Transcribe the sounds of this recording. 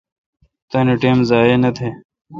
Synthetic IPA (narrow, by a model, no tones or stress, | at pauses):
t̪ɐːneʈeːmzaːjeːnɐt̪ʰeː